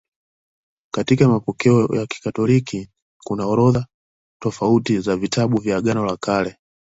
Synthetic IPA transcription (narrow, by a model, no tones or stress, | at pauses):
katikamapɔkɛɔjaki̥katɔliki | kunaɔɾɔða | tɔfautizavitʰaɓuvjaɡanɔlakʰalɛ